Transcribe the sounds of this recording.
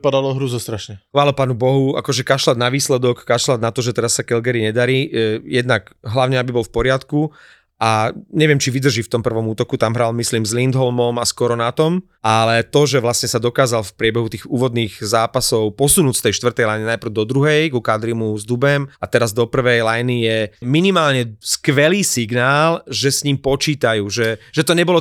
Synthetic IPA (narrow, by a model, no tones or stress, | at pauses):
pad̪alɔɦɾuzɔst̪ɾaʃɲɛxʋaːlɔpaːnubɔɦua̰kɔʒɛkaʃlad̪̚naʋiːslɛd̪ɔkːaʃlad̪nat̪ɔʒɛt̪ɛɾasːakɛlɡɛɾiɲɛd̪aɾiːjɛd̪nakɦlaʊɲɛabibɔlfpɔɾɪat̪ku | aɲɛʋɪɛmt͡ʃiʋid̪r̩ʒift̪ɔmpr̩ʋɔmuːt̪ɔkut̪amɦɾalmislimzlind̪ɦɔlmɔmaskɔɾɔnat̪ɔm | alɛt̪ɔʒɛʋlasɲɛsad̪ɔkaːzalfpɾɪɛbɛɦut̪iːɣuːʋɔd̪niːɣzaːpasɔʊpɔsunuːcst̪ɛjʃt̪ʋr̩t̪ɛjlajninajpr̩ʊd̪ɔd̪ɾuɦɛjkukad̪ɾimuzd̪ubɛmat̪ɛɾazd̪ɔpr̩ʋɛjlajnijɛminimaːlɲɛskʋɛliːsiɡnaːlʒɛsɲiːmpɔt͡ʃiːt̪ajuːʒɛʒ̥ɛt̪ɔɲɛbɔlɔ